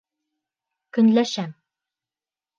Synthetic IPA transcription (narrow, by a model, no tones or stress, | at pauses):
kɵ̆nlæʃæm